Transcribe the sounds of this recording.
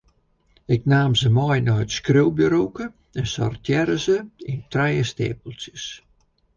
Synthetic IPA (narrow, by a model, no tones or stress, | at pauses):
ɪk̚naːmzəmɔjnɔhətskrøwbəɾowkə | ɛnsɔ̰rtʰjɛɾəzəintrɛjəstḛːpəlˠsjəs